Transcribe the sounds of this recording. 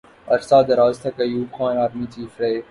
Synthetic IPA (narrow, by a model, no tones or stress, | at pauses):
ɐɾsaːd̪ɐɾaːzt̪ʰɐkɐjuːbxãːnaːɾmit͡ʃiːfɾɐ